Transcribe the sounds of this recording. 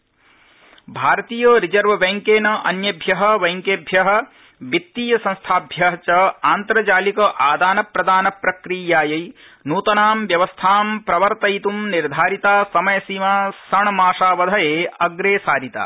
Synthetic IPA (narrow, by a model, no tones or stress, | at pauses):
bʱaːɾɐt̪iːjoːɾid͡ʒɐɾʋɐʋeŋkeːnɐʔɐnjɐbʱjɐɦɐ̆ʋɐjŋkeːbʱjɐɦɐ̆ | bit̪ːiːjɐsɐ̃nst̪ʰaːbʱjɐɦɐt͡ʃɐaːnt̪ɾɐd͡ʒaːlikɐʔaːd̪aːnɐpɾɐd̪aːnɐpɾɐkɾijaːjɐj | nuːt̪ɐnaːmʋjɐʋɐst̪ʰaːmpɾɐʋɐɾt̪ɐjit̪umniɾd̪ʱaːɾit̪aːsɐmɐjɐsimaːsɐɳɐmaːʂaːʋɐd̪ʱɐjeːɐɡɾeːsaːɾit̪a̰ː